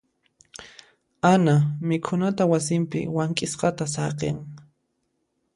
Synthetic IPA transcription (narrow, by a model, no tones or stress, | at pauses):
anamɪkʰʊnat̪awasɪmpɪ̰waŋkʼɪsqɑt̪asɑqḛŋ